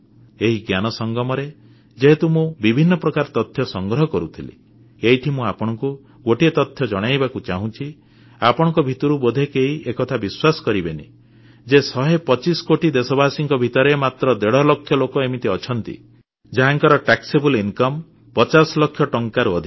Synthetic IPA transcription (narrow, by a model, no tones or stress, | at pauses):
eɦiɡjanɔsɔŋɡɔmɔɾe | d͡ʒeɦet̪umũbibʱinːɔpɾɔkaɾɔt̪ɔt̪ʰːjɔsɔŋɡɾɔɦɔkɔɾut̪ʰilḭ | eɦiʈʰimũapɔɽ̃ɔŋku | ɡoʈiet̪ɔt̪ʰjɔd͡ʒɔɽ̃ajbakut͡ʃaɦũt͡ʃʰi | apɔɽ̃ɔ̃ŋkɔbʱit̪uɾubɔd̪ʱekeɦiekɔt̪ʰabiswasɔ̥kɔɾibenḭ | d͡ʒesɔɦepɔt͡ʃisɔ̥koʈid̪esɔbasiŋkɔbʱit̪ɔɾemat̪ɾɔd̪eɽɔlɔkʰːjɔlokɔemit̪iɔt͡ʃʰɔnt̪ḭ | d͡ʒaɦaŋkɔɾɔʈaksebuliŋkɔm | pɔt͡ʃasɔlɔkʰjɔʈɔŋkaɾuɔd̪ʱi